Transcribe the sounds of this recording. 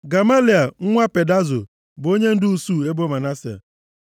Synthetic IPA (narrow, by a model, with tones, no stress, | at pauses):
ɡa˨ma˦li˨a˨ŋ̩˦ŋʷa˦pe˨da˦zʊ̰˨ | bo˦ɲe˦n̩˦dʊ˦u˦su˦˨e˦bo˦ma˨na˦si˨a̰˨